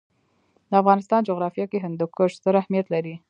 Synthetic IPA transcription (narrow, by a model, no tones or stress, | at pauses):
d̪əafɣɑnɪst̪ɑnd͡ʒoɣɾɑfjɑkeɦɪnd̪ʊkəʂst̪əɾahmijat̪laɾi